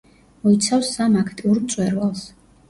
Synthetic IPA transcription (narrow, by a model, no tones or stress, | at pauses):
mɔit̪sʰafsamakʰt̪ʼiuɾmt̪sʼwɛɾvalˠs